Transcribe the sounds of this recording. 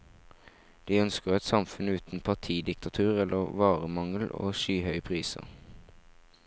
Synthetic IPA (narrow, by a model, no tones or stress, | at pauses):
d̪̥iːœnskəʁɛt̪sɑmfʉnʉːt̪n̩pʰɑʁt̪ʰiːd̪ɪkt̪ɑt̪ʰʉːʁɛlʔəʁʋɑːʁəmɑŋəlo̰ːʃyːhœʏpʰʁiːsə̰ʁ